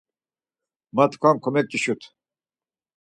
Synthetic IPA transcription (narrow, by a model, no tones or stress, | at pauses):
mɐt̪kʰamkʰomet̪̚t͡ɕiɕut̪ʰ